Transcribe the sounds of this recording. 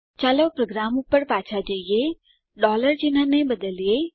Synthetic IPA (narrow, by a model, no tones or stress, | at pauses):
t͡ʃaləwpɾoɡɾaːmũpəɾpaːt͡ʃʰad͡ʒəije | ɖɔːləɾd͡ʒinãnebəd̪əlje